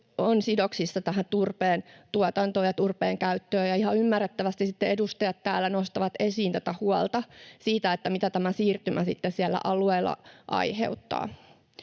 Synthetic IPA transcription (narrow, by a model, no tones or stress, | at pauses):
onsidoksisːɑt̪æɦæt̪urpeːnt̪uɑt̪ɑnt̪oːjɑt̪urpeːŋkæyt̪ːøːjɑihɑymːærːet̪ːæʋæst̪isit̪ːeedust̪ɑjɑt̪tæːlːænost̪ɑʋɑt̪esiːnt̪æt̪æhuɑlt̪ɑsiːt̪æet̪ːæmit̪æt̪æmæsiːrt̪ymæsit̪ːessiælːæ̰ʔɑlueːlːɑ̰ʔɑ̰ihḛut̪ːɑ̰ː